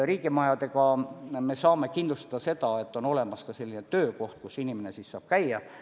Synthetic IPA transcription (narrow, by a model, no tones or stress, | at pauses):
riːɡimɑjɑd̪e̞kɑme̞sɑːme̞kind̪lust̪ɑ̥d̪̥ɑse̞t̪ɑe̞t̪ːˑo̞no̞le̞mɑskɑse̞lʲːinet̪ø̞ːko̞ht̪̚kusinimene̞sissɑ̰ːb̥kæjːɑ